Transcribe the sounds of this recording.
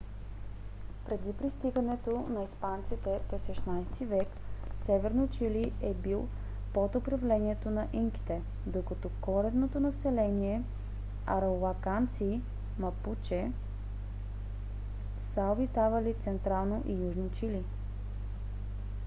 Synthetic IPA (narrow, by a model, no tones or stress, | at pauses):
pɾɛd̪ipɾist̪iɡənɛt̪onɐispant̪sit̪ɛpɾɛsʃɛʃnajst̪ivɛksɛvɛɾnot͡ʃiliɛbilˠ | pot̪opɾɐvlɛniɛt̪onɐʔiŋki̥t̪ɛ | d̪okɐt̪ɔkɔɾɛd̪not̪onɐsɛlɛniɛ | ɐɾɛovakant̪siː | mɐput͡ʃɛ | saobit̪avɐlit̪sɛnt̪ɾalˠnoʔijuʒnit͡ʃili